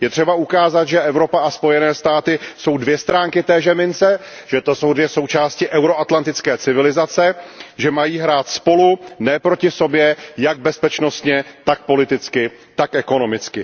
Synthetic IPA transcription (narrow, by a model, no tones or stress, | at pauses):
jɛt̪r̥ɛbaʔukaːzat̪ʒɛʔɛvɾo̞paʔaspo̞jɛnɛːst̪aːt̪ɪso̞wdvjɛst̪ɾaːŋkɪt̪ɛːʒɛmɪnt͡sɛ | ʒ̥ɛt̪o̞so̞wdvjɛso̞wt͡ʃaːscɪʔɛwɾo̞ʔat̪lant̪ɪt͡skɛːt͡sɪvɪlɪzat͡sɛʒɛmajiːɦɾaːt̪spo̞lunɛːpɾo̞cɪso̞bjɛjaɡ̚bɛspɛt͡ʃno̞st̪ɲɛt̪ak̚po̞lɪt̪ɪt͡skɪt̪akʔɛko̞no̞mɪt͡skɪ